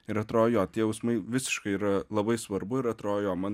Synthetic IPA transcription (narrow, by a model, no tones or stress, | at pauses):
ɪɾɐt̪ɾoːjoːt̪ʲiɛjɛʊsmɐɪʋʲɪsʲɪ̥ʃkɐɪiːɾɐlˠɐbɐɪsʋɐɾbʊɪɾɐt̪ɾoːjoːmɐn